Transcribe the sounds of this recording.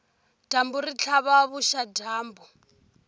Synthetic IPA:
tambuɾit͡ɬʰaβaβuʃadʱaːmbɔ

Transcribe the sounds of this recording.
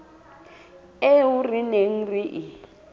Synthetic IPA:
eurineŋ̩riʔi

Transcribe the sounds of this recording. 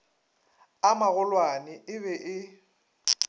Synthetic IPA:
amaɣʊlwanɪʔɪβɛʔɪ

